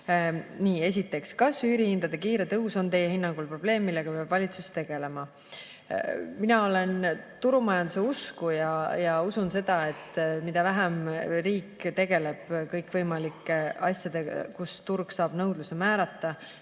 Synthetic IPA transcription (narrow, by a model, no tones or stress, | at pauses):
niːe̞s̬ʲit̪ːˑe̞kskɑsyyːɾiind̪̥ɑd̪̥ekiːɾe̞t̪ɤɦuso̞nt̪e̞jehinːɑŋɡ̥ulpro̞b̥le̞ːmːilːe̞ɡ̥ɑpeɑb̥vɑlʲit̪sustt̪e̞ɡ̥e̞le̞mɑ | minɑo̞le̞nt̪uɾumɑjɑnd̪use̞uskujɑjɑusunse̞d̪̥ɑe̞t̪ːˑmid̪̥ɑvæɦæmriːkːt̪e̞ɡ̥e̞le̞b̥kɤjkːˑvɤjmɑlikːˑeɑsjɑd̪̥e̞kust̪urɡ̥sɑːb̥nɤwd̪lusemæːɾɑt̪ːɑ